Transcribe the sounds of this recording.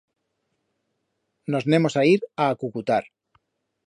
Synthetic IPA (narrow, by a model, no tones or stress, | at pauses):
no̞znẽ̞mo̞saiɾaːkukut̪aɾ